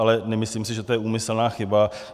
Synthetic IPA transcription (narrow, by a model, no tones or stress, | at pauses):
alɛnɛmɪsliːmsɪʒɛt̪ojɛʔuːmɪsl̩naːxɪba